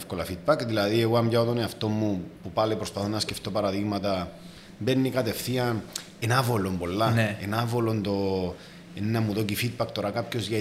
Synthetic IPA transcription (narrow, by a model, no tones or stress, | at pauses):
fkolɐfid̪̚bɐkðilɐðieɣoɐmʝɐot̪oneɐft̪o̞mːupupɐlepɾospɐθonːɐsceft̪o̞pɐɾɐðiɣmɐt̪ɐ | mbenːikɐt̪e̞fθiɐn | enɐvolo̞mbo̞lːɐenɐvolond̪o̞ | enːɐmuðocifid̪̚bɐkt̪o̞ɾakapço̞zʝɐ